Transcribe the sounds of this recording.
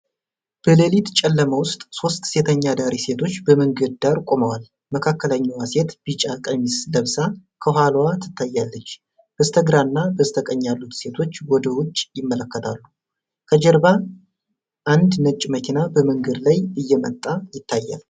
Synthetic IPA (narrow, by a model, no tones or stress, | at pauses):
b̥əlelit̪t͡ʃʼɛlːəməwʊst̪ʼso̞st̪se̞t̪ʰəɲːad̪aɾise̞t̪ʰo̞t͡ʃːbəmɨŋɡəd̪̚d̪aɾkʼoməwal | məkʰakːələɲːawase̞t̪b̥it͡ʃʼakʼəmisləβsakʰəɦalwat̪ʰɨ̥t̪ʰːajːalːət͡ʃː | b̥əst̪ʰəɡɾanːabəst̪ʰəkʼəɲːalːut̪se̞t̪ʰo̞t͡ʃːwɔd̪əwʊt͡ʃʼːjɪmːələkːət̪ʰalːu | kʰəd͡ʒɛɾba | ʔand̪nət͡ʃʼːməkʰinabəmɨŋɡəd̪lajɨjːɛmə̰t̪ʼːajɪt̪ːajːa̰l